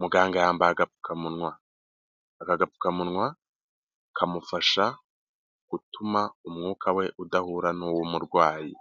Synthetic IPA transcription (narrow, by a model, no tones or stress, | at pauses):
muɡaːŋɡajaːmbaaɡapu̥kʰamunŋwaː | kaɡapu̥kamunŋwa | kʰamufaʃa | ɡ̥utumaumŋuːkʰawe̞ʔudahuːɾanuwumuɾɡwaːji